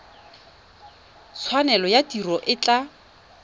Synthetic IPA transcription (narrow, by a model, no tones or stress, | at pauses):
t͡sʰwanɛlɔjatirɔʔɪt͡ɬa